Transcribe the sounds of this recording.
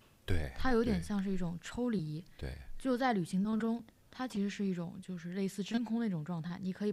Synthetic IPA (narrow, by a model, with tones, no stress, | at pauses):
t̪wḛ˥˩ɪt̪ʰa˥jo˧˥ʊt̪jɛ˨˩nɕjɑ˥˧ŋʂɻ̩˥˧i˥˩ʈ͡ʂʊ˨˩ŋʈ͡ʂʰo˥ʊli˧˩˥t̪wḛ˥˩t͡ɕjo˥˧ʊt͡sa˥˩ɪly˨˩ɕi˧˥ŋt̪ɑ˥ŋʈ͡ʂʊ˥ŋ | t̪ʰa˥t͡ɕʰi˧˥ʂɻ̩˧˥ʂɻ̩˥˧i˥˩ʈ͡ʂʊ̰˨˩ŋt͡ɕjo˥˧ʊʂɻ̩˧le˥˧ɪsɹ̩˥˩ʈ͡ʂə˥nkʰʊ˥ŋd̪ə˨i˥˩ʈ͡ʂʊ˨˩ŋʈ͡ʂwɑ˥˧ŋt̪ʰa˥˩ɪni˨˩kʰɤ˧˥i˨˩